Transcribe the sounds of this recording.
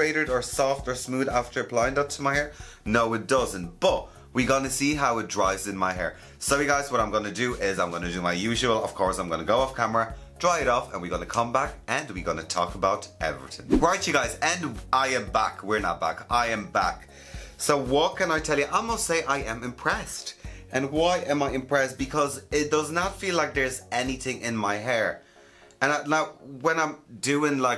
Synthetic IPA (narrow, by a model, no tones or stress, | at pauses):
ɹeɪɾə˞ɾə˞sɔftə˞smuːðaftə˞əpʰl̥aɪɪ̃ŋʌp̚tʰəmaɪhɛɹ | noʊɪt̚d̥ʌzə̃ntb̥ʌt | wiɡɑnəsiːɦaʊɪt̚dɹaɪvzɪ̃nmaɪɦɛ̰ːɹ | soʊjɨɡaɪzwʌɾãɪ̃mɡʌnədəʔɪzãɪ̃mɡʌnɨdəmaɪjʉʒəəlˠəv̥kʰɔɹsãɪ̃mɡʌnəɡoʊɔfkʰamə˞ə | d̥ɹaɪɪɾɔfə̰̃nwiɡʌnəkʰʌ̃mbakə̃nwiɡʌnətʰɔ̰kəbaʊɾɛ̰vɹḭθɪ̰̃ŋɹaɪt͡ʃjɨɡaɪzə̃naɪɨ̃mbakʰwɪɹnə̰t̚b̥a̰kaɪɨ̃mbak | soʊwʌt̚kʰɨ̃naɪtʰɛlˠjəʔaɪmʌstseɪʔaɪɨ̃mɨ̃mpʰɹ̥ɛstʔə̃nwaɪʔɨ̃maɪɨ̃mpʰɹ̥ɛst̚b̥ɨkʰʌzɪt̚d̥ʌznətfiːlaɪk̚ðə˞zɛniθɪ̃ŋʔɪ̃nmaɪɦɛɹ | ə̃nanaʊwə̃nãɪ̃mdʉɪ̃ŋlaɪ